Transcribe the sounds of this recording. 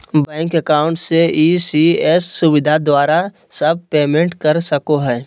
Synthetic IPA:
bɛ̃ːŋkɐkaːʊ̃ɳʈseʔiːsiɛːsːʊʋɪd̪ʱad̪waːɾa | sɐb̚peːmẽɳʈkɐɾsɐkoɦɛː

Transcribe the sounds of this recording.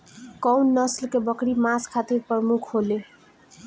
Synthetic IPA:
kʌwnːʌslkebʌkɾimaskʰat̪iɾpʌmukʰɦole

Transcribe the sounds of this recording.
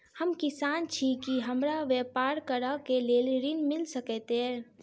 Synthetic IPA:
həmkisant͡ʃʰikiɦəmɾaʋepaɾkəɾəkelelɾinmilsəkɛt̪e

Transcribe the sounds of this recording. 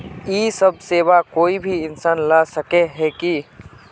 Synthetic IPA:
iːsɐb̚seːʋakoːibʱiɪnsaːnlaːsɐkeɦɛki

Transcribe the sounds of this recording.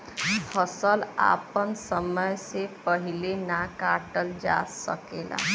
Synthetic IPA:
fəsəla̰pənsəməjsepəɦilenakaʈəld͡ʒa̰sə̰kela̰

